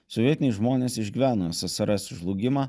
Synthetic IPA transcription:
sɔʋʲiɛt̪ʲnʲeɛʒmoːnʲeːsɪʒʲɡʲiʋʲæːnosʲɐsʲɐɾɐsʲʒlˠʊːɡʲɪmɑː

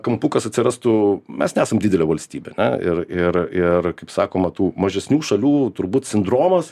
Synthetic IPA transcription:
kɐmpukɐsɐt̪ʲsʲɪɾɑst̪ʊmʲɛsnʲɛæːsɐmdʲɪd̪ʲɛlʲɛʋɐlʲsʲt̪ʲiːbʲɛɐnʲɛ̰ɪ̰rɪrɪrkɐɪpsɑːkoːmɐt̪uːmɐʒʲɛsʲnʲuːʃɐlʲuːt̪ʊɾbuːt̪sʲɪnd̪ɾoːmɐs

